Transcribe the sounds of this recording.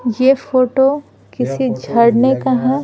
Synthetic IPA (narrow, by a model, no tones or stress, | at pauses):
jefoːʈo | kɪsid͡ʒʱɐɽnekɐɦã